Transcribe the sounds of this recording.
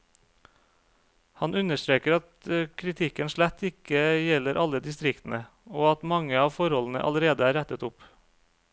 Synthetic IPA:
hɑnʉnəʂt̪ɾeːkəɾɑt̪əkʰɾɪt̪ʰɪkənʃɭæt̪ʰːɪkəjɛləɾʔɑləd̪ɪst̪ɾɪkt̪n̩ə | oːɑt̪mɑŋəɑːʋfɔɾhɔln̩ə̰ʔɑ̰ləɾeːd̪əæːɾæt̪ət̪ʊp

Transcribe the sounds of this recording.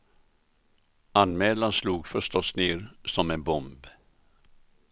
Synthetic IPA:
anmɛːlansluːɡfœʂt̪ɔsneːɾsɔmɛnbɔmb

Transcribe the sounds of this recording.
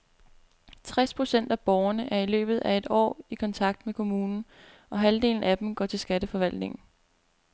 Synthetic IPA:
t͡sʰʁaspʰʁo̝sen̰d̥æb̥ɒːʊɐnəʔæɐilø̰ːb̥ð̞̩ˠʔæe̝d̥ɒ̰ːikʰɒ̽nt͡sʰɑ̈ɡ̥̚d̥mekʰo̝muːnn̩ | ʔɒ̽ɦæld̥e̝̰ːln̩æd̥m̩ɡ̥ɒ̰ːt͡sʰe̝lsɡ̥æd̥əfɒ̽ʋæl̰d̥ne̝ŋn̩

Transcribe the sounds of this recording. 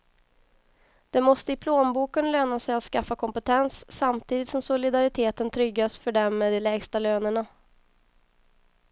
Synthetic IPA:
d̪̥ɛmɔst̪əɪpʰloːmbuːkənløːnasɛjat̪skafːakʰɔmpɛt̪ʰɛnsːamt̪ʰiːd̪ɪt̪sɔmsʊlɪd̪aɾɪt̪ʰeːt̪ənt̪ʰɾʏɡːasfœɖɛmːɛd̪ɛlɛːɡst̪aløːnəɳa

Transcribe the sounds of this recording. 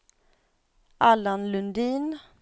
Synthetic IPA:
ʔalanlɵnd̪iːn

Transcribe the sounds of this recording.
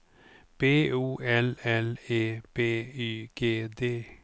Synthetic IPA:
b̥eːuːɛlɛleːb̥eːyːɡ̥eːd̪eː

